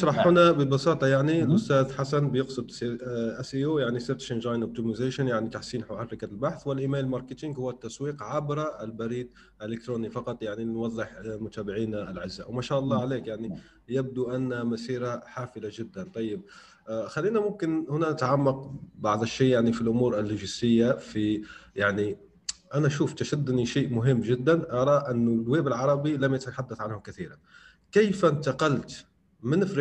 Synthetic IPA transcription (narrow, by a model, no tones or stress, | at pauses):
ʃɾˤɑħhʊnæbəbɑsɑːt̪ˤɑjaʕnilʔʊst̪æːd̪ħasanbjəqsˤəd̪ʔæsʔiojaʕnisiɾt̪ʃənʒajnʔʊp̚t̪umizeʃənjaʕnit̪aħsiːnħʔaɾˤɾikalbaħθwəlʔimejlmɑɾˤkət̪ɪŋɡhʊwːæt̪ːæswiːqʕabɾɑəlbæɾid̪̚ | ʔɪlək̚t̪ɾunifɑqɑt̪ˤjaʕniwɑðˤːəħmʊt̪æbɪʕiːnəlʕɪzːa̰wmæʃæʔɑlˤːɑʕlikjaʕni | jæb̚d̪uʔænːmæsiɾaħaːfəlaʒɪd̪ːant̪ˤɑjːəb̚ | xælːiːnamʊmkɪnhʊnænət̪ʕamːɑqbaʕd̪ˤəʃːeːʔjaʕnifilʔʊmuːɾʔɪlːuʒɪst̪əjːafijaʕni | ʔænaʃuːft̪aʃæd̪ːniʃeːʔmʊɦəmːʒɪd̪ːænʔɑɾˤɑʔɪnːʊlweːbəlʕɑɾˤɑbilæmjat̪aħad̪ːaθʕanhʊmkaθiːɾan | kæjfɪnt̪ɑqɑlt̪ | mɪnəfɾ